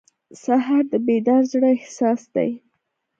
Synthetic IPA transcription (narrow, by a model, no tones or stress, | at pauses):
saɦaɾd̪əbed̪ɑɾzɽəhsɑsd̪a̰j